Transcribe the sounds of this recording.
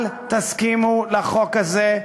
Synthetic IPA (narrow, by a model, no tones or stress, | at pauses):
lt̪askimulaχo̞kaze